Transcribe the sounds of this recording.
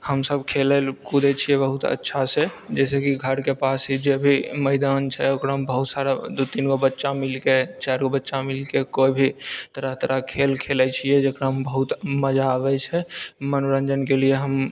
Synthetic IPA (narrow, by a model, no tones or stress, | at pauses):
həmsəbkʰelɛlkud̪ɛt͡ʃʰiɛbəɦut̪ə̰tːʃʰased͡ʒɛs̬ekiɡʱəɾkepasɦid͡ʒebʱiməɪd̪ant͡ʃʰɛokɾaɦmbəɦut̪saɾad̪ut̪inkobətːʃamilket͡ʃaɾkobətːʃamilkekoibʱit̪əɾəɦt̪əɾəkʰelkʰelɛt͡ʃʰijɛd͡ʒekɾaɦmbəɦut̪məd͡ʒaːbɛt͡ʃʰɛmənuɾə̃nd͡ʒənkelieɦəm